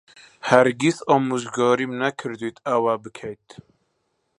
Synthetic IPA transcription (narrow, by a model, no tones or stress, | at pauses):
hæɾɡisɔːmuzɡɔːɾimnækʰɨɾd̪wit̪ʰawabɨkʰɛjt̪ʰ